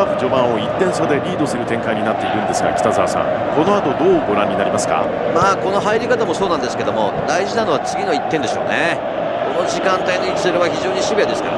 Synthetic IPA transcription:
akɯʑo̞bãɰ̃o̞it̪ːẽ̞ɰ̃sad̪e̞ɾʲiːd̪o̞sɨɾɯ̟t̪ẽ̞ŋkaiɲ̟inat̪ːe̞iɾɯ̃nd̪e̞sɨɡa̰kʲi̥t̪azaːsã̰ŋko̞no̞at̪o̞d̪o̞ːɡo̞ɾãɲ̟ːinaɾimasɨ̥ka̰ | maːko̞no̞ɦaiɾʲikat̪amo̞so̞ːnãnd̪esɨ̥ke̞d̪o̞mo̞̰d̪aiʑinano̞βat͡sɨɡʲino̞it̪ːend̪e̞ɕo̞ːne | ko̞no̞ʑikãnt̪ainoikʲi̥seɾɯβaçiʑo̞ːɲiɕibijad̪e̞sɨ̥ka̰ɾa

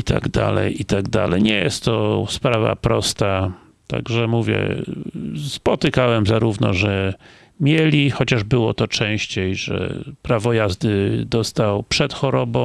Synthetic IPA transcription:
it̪a̰ɡd̪a̰lɛ̰jit̪aɡd̪a̰lɛjɲɛjɛst̪ːɔspɾava̰pɾɔst̪a | t̪a̰ɡʐɛmuvʲjɛ̰ | spɔt̪ɘkawɛmzaɾuvnɔ̰ʐɛ | mʲjelʲixɔt͡ɕaʐbɘwɔt̪ɔt͡ʂɛ̃w̃ɕt͡ɕejʐɛ̰pɾavɔjazd̪ɘd̪ɔst̪awpʂɛt̪xɔɾɔbɔ̃w̃

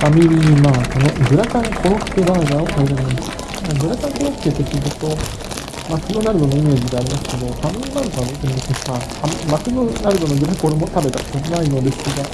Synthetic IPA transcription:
famʲiɾʲimakonoɡɯ̟ɾakãŋkʰo̞ɾokɯ̟̥kebaːɡaokʰaiɾɯnɯ̃nd̪es | naɡɯ̟ɾakãŋko̞ɾokɯ̟̥ket̪ːekʲizɯt̪ːo̞ | makɯnonaɾɯj̪onoime̞ːʑid̪eaɾʲimasɨ̥k̪ed̪opʰamiinaɾɯ̟t̪oɡot̪ɯid̪eseskahamimakɯnonaɾɯ̟d̪onoɡɯɾakoɾemot̪abe̞t̪asokɯnainoɾeskiɡa

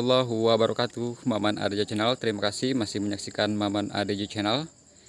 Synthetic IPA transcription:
lːɔɦuwabaɾʔukat̪umamana̰ded͡ʒat͡ʃɛnalt̪əɾimakasihmasɪhməɲaksikanmamana̰ded͡ʒat͡ʃɛnal

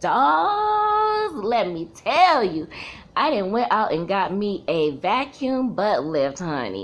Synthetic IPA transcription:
d̥ɔ | zlɛt̚mitʰɛlˠjɨ | ʔaɪɾɪdⁿn̩ʔwɛ̃ɾaʊɾɨ̃nɡɑt̚miʔɨvækʰjʉ̃mbʌtˡlɛft̚hʌ̰nḭ

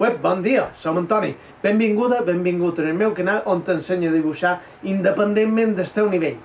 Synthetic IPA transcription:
wɛp̚bɔnd̪iəsowənt̪ɔnḭ | bembiŋɡuðəbembiŋɡut̪ənəlmɛwkənalʔont̪ənseɲəðiβuʃa | ind̪əpənd̪emːẽnd̪əst̪ɛwniβeʎ

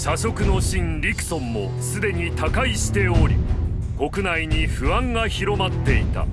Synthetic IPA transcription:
ɕaɕo̞kɯ̟no̞ɕĩnɾʲikɯ̟̥sõ̞mːo̞̰ | sɨd̪e̞ɲ̟it̪akaiɕi̥t̪e̞o̞ɾʲḭ | ko̞kɯ̟naiɲ̟iɸɯ̟ãŋɡaçiɾo̞mat̪ːe̞it̪a̰

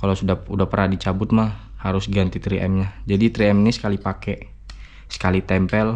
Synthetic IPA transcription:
kalasudaudapərnahdit͡ʃabʊt̪̚mahhaɾʊsɡant̪it̪ɾiʔɛ̰mɲad͡ʒadit̪ɾiɛmnisə̥kalipakɛ | sə̥kalit̪ɛmpɛl

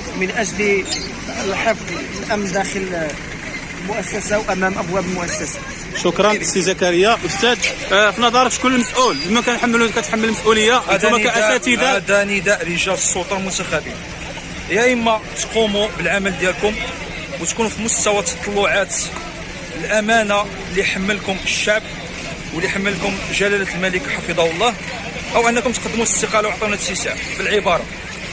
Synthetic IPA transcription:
mənʔæʒli | əlħəfðˤ | lʔæmnd̪æxəl | lmʊʔæsːæsawʔæmæmʔəbwæbəlmʊʔæsːæsḁ | ʃʊkɾˤɑnʔəst̪izækæɾəjːaʔʊst̪æd̪finɑd̪ˤɑɾˤət̪kʊlːəməsʔuləmːækænħamːlukæt̪ħamːəlməsʔuləjːaʔwd̪mːææʔæsæt̪id̪ad̪ænid̪æʔɾiʒælsˤːolt̪ˤɑlmʊt̪æxæbin | hjæʔəmːæt̪qumubəlʕaməld̪jælkʊm | wət̪kunufimʊst̪æwat̪ɑ̥t̪ˤːɑlːʊʕat̪ | əlʔæmæna | lijħamːəlkʊməʃːaʕb | wəlːiħamːəlkʊmʒælælæt̪əlmæləkħɑfid̪ˤɑwəlˤːɑh | ʔəwʔənːækʊmt̪qd̪ːmuəst̪əqɑlawʕt̪ˤɑwnæsisaʕbəlʕəbɑɾˤɑ

